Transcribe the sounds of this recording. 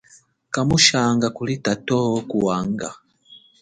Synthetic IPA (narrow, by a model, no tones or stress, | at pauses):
kamuʃaːŋɡakulitatɔhɔkuwaŋɡa̰